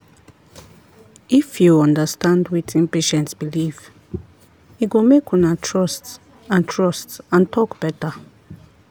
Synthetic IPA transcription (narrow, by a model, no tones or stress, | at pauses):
ʔifjuɔ̃ndəstãndwitĩmpeʃɛ̃ntsb̥iliv | iɡumekʰɔ̃natʰɹɔsts | ãntʰɹɔstsãntʰɔkb̥ɛtə